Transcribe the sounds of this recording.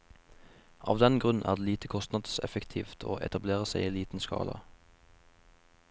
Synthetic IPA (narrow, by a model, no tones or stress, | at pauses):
ʔɑ̰ːʋd̪ɛnɡʁʉn̩ʔæːʁd̪eːliːt̪ʰəkʰɔst̪nɑd̪sɛ̰fəkt̪ʰiːft̪ʰoːʔɛ̰t̪ɑbleːʁəsæɪiːliːt̪n̩skɑ̰ːlɑ̰